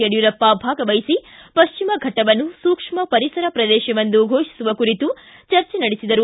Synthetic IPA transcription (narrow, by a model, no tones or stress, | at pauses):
eɽjuɾɐpːabʱaːɡɐʋɐjisipɐʃt͡ʃimɐɡʱɐʈːɐʋɐnːusuːkʂmɐpɐɾisɐɾɐpɾɐd̪ɛːʃɐʋɐnd̪uɡʱoːʂi̥suʋɐkuɾit̪u | t͡ʃɐɾt͡ʃɛnɐɽesid̪ɐɾu